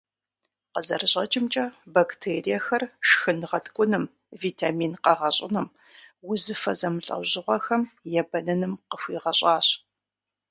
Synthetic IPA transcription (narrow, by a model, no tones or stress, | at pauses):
qəzɐrɨɕʼɐt͡ʃʼɪmt͡ʃʼɐbaktʰeːrijɛxɐrʂxɨnɨʁɐtʰkʷʼʊnɨm | viːtʰaːmiːnqɐʁɐɕʼɪ̰nɨm | wʊzɨfɐzɐmɨɬʼɐ̰wʑɪʁʷɔxɐmjɛbɐnɐnɨmqəxʷiːʁɐɕʼɑːɕ